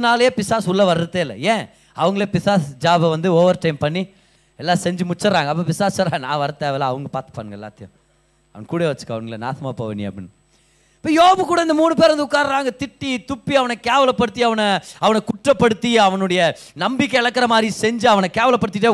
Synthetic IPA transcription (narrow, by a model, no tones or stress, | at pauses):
naːljeːpɪsaːsʊlːɐʋɐɾɯɾɯt̪ːeːlːɐ̰ẽː | ɐʋɐŋɡɐɭeːpɪsaːsd͡ʒaːbɐʋɐnd̪ɯoːʋɐɾɯʈɐɪmpɐɳːi | ɛlːaːsɛɲd͡ʒɯmʊt͡ʃːɐɾaːŋɡɐp̬ːɐpɪsaːssɐɾaːnã̰ːʋɐɾɐt̪ːeːʋɛlaːɐʋɐŋɡɐpaːt̪ɯ̥pa̰ːnɯɡɐɛ̰lːaːt̪ɪjʊ̰̃ | ɐ̰ʋɐnɐkuːɽeːʋɐt͡ʃːɯ̥kːɐʋɐŋɡɐlna̰ːt̪ʰɐmaːpːo̰ʋɐ̰nːɪjɐ̰pːɽɪnːɯ | pːɐːjoːbɐkuːɽɐɪnd̪ɐmuːnɯp̬eːɾɐnd̪ɐʊkːaːɾɾaːŋɡɐt̪ɪʈːit̪ʊpːiɐʋɐnɐkeːʋɐlɐpːɐɽɯt̪ːiɐʋɐnɐɐʋɐnɐkʊʈːrɐpːɐɽɯt̪ːiɐʋɐnɯɽɐjɐ | nɐmbɪkːɛɛɭɐkːɐɾɐmaːd̪ɾisɛɲd͡ʒɯɐʋɐnɐkeːʋɐlɐpːɐɽɯt̪ːɪʈːeː